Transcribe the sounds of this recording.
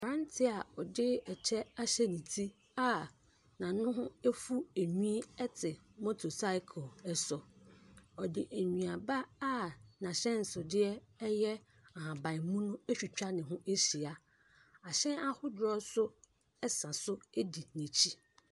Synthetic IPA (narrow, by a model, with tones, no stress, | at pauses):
ɾã˦n˦tʰɪ˦a˨ɔ˨dɪ˦ɛ˨t͡ɕʰɛ˦a˦ɕɛ˦nĩ˨tʰi˦ | a˦ | nã˨nʊ̃˦ɦʊ̃˦e˦fu˦e˨ɲĩ˦ɛ˦tʰɪ˨mo˦tʰo˨sa˦kʰɔ˨ɛ˨sɔ˨ | ɔ˨dɪ˨ʔe˨ɲᶣĩ˨a˨ba˦a˦nã˨ɕɛ̃˦n̩˨sʊ˨dɪ˦ɛ˦jɛ˦ | a˨ɦã˨bã˨mũ˦nʊ̃˦e˦ɕᶣi˨t͡ɕᶣa˦nɪ̃˨ɦʊ̃˦ʔe˦ɕi˨a˦ | a˨ɕɛ̃˦a˦hʊ˦dɔ˦sʊ˦ | ɛ˦sã˨sʊ˦e˦di˨nĩ˨t͡ɕʰi˦